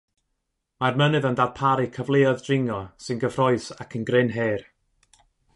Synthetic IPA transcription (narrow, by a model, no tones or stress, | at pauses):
marmənɨðəndaːd̥̚pʰaɾɨkʰəvlˠeɔðdrɪŋɔsɨnɡəvrɔɨsakʰənɡrɪnɦeːr